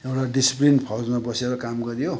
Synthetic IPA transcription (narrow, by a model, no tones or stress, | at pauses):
ewʈaɖisi̥plinpʰʌzmabʌseɾʌkamɡʌɾjo